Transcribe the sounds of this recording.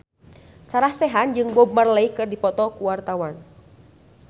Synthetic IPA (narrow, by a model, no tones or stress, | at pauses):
saɾahsɛɦand͡ʒɨŋbɔb̚marlaihkɨrdipɔt̪ɔkuwart̪awan